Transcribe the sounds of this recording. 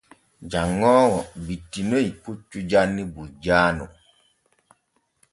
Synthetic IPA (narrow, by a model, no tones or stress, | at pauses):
d͡ʒaŋːɔːŋɔbitːinoiput͡ʃːud͡ʒanːibud͡ʒaːnṵ